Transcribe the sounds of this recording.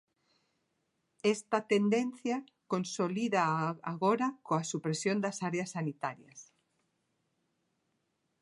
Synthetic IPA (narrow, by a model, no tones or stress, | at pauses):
est̪ɐt̪end̪enθja | konsoliðaaɣoɾakoasupɾesjond̪ɐsaɾeasːanit̪aɾjɐs